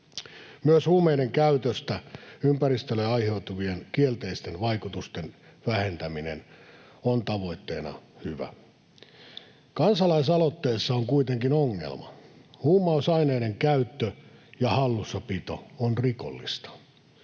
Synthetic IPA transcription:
myøshuːmeineŋkæyt̪øst̪æympæɾist̪øleɑjhe̞ut̪uʋie̞nkielt̪eist̪enʋɑjkut̪ust̪en | ʋæhent̪æminḛn | ont̪ɑʋo̞it̪ːe̞̰ːnɑ̰hyʋæ̰ | kɑnsɑlɑis̬ɑlot̪ːeːsːɑoŋkuit̪eŋkinoŋːḛlmɑ̰huːmɑusɑineːne̞ŋkæyt̪ːøjɑhɑlːusːɑpit̪o̰onriko̰lːist̪ɑ̥

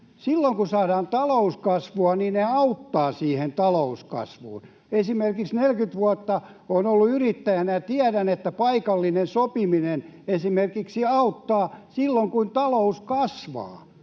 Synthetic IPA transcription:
silːoŋkusɑːdɑːnt̪ɑlouskɑsʋuɑniːneɑut̪ːɑːsiːhent̪ɑlouskɑ̰sʋṵːn | esimerkiksnelkyt̪ʋuɑt̪ːɑ | onolːuyrit̪ːæjænæt̪iædænet̪ːæpɑikɑlːinensopiminenesimerkiksiɑut̪ːɑːsilːoŋkunt̪ɑlouskɑsʋɑ̰ː

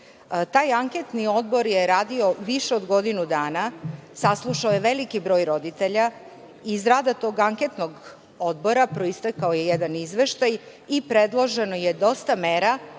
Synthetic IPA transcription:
t̪aːjaŋket̪nio̞d̪̚bo̞ɾjeɾaːd̪io̞ʋiʃeod̪ɡo̞d̪inud̪aːnasaslˠuʃaoje̞ʋe̞likibɾo̞ːjɾo̞d̪it̪eʎa | izɾaːd̪at̪o̞ːɡaŋket̪noɡ | od̪bo̞ɾapɾo̞ist̪akaoje̞jed̪anizʋeʃt̪aj | ipɾed̪lˠo̞ʒe̞noje̞d̪o̞st̪ameːɾa

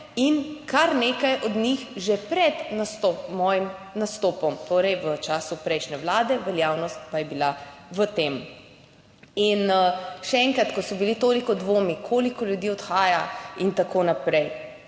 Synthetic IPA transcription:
inkʰaɾneːkajʔɔd̪nixʒɛpɾɛd̪nasɔmɔːjimnast̪ɔːpɔmt̪oːɾɛjʋət͡ʃaːsupɾɛjʃnɛʋlaːd̪ɛʋɛljaːwnɔst̪pajɛbilaʋət̪eːm | inʃɛɛŋkɾat̪kɔsɔbilit̪oːlikɔd̪ʋoːmikʰolikɔljud̪jiːɔt̪xaːjaint̪akonapɾɛj

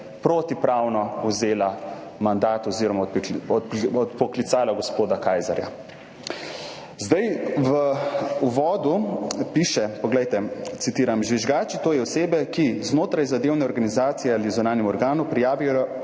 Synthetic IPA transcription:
pɾoːt̪ipɾawnɔuzeːla | mand̪aːt̪ɔziːɾɔmaɔɔt̪pɔklit̪saːlaɡɔspoːd̪akajza̰ɾja̰ | zd̪ajʋəuʋɔːd̪upiːʃɛpɔɡlɛjt̪ɛt̪sit̪iːɾamʒʋiʒɡaːt͡ʃit̪oːjɛɔseːbɛkiznoːt̪ɾajzad̪eːwnɛɔɾɡanizaːt̪sijɛalizɔnaːnɛmɔɾɡaːnupɾijaːʋijjɔ

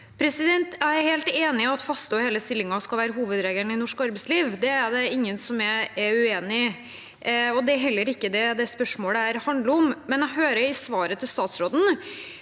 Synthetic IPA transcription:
pʰɾɛsɪd̪ɛnt̪ʰæɪæɾheːlt̪eːnɪɔɑt̪fɑst̪uːheːləst̪ɪlːɪŋɑskɑlʋæːɾəɦuːʋəd̪ɾeːɡənɪnɔʂkɑɾbɛɪsliːʋd̪ɛæɖ̪ɛɪŋːənsɔmæɛʉeːnɪ | ɔd̪ɛæɾɦɛlːəɾɪkːəd̪ɛd̪ɛspœʂmoːləæɾhɑnd̪ləɔmmɛnæɡɦøːɾəɾɪsʋɑːɾət̪ʰɪlst̪ɑːt̪sɾoːd̪n̩

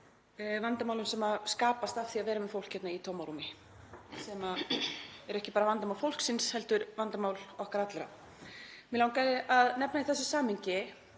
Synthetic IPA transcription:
vant̪amawlʏnsɛmaskaːpast̪afθiaðvɛːɾamɛðfow̪̥kcʰːjɛt̪nait̪ʰoːmaɾumɪ | sɛma | ɛɾɛhcɪpaːɾavant̪amawlfowl̥ksɪnshɛlt̪ʏɾvant̪amaːwlɔhkaɾat̪lɛɾa̰ | mɪlaːwŋkaðɪʔaðnɛpnaiθɛsːʏsaːmhɪɲcɪ

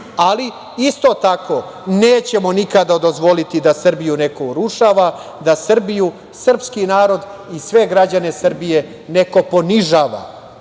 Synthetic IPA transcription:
ali | ist̪o̞t̪ako̞ | neːt͡ɕe̞monikad̪ad̪o̞zʋo̞lit̪id̪asr̩bijune̞ko̞uɾuʃaːʋa | d̪asr̩biju | sr̩pskinaːɾo̞d̪ | isʋe̞ɡɾad͡ʑane̞sr̩bije̞ | neko̞po̞niʒaːʋa̰

